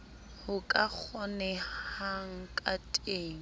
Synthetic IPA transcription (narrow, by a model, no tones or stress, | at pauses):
hʊkʼak͡xʰɔnɛhaŋ̩kʼatʼeːŋ̩